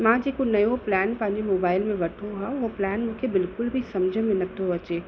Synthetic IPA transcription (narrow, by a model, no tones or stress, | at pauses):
mãd͡ʑeːkonɐjoplɛːnpɐ̃ɦɪ̃ɲd͡ʑemoːbaːɪlmẽʋɐʈʰoɦaʊɦoplɛːnmũːkʰebɪlkʊlbʱisɐmd͡ʑʱəmẽnɐt̪ʰoɐt͡ɕeː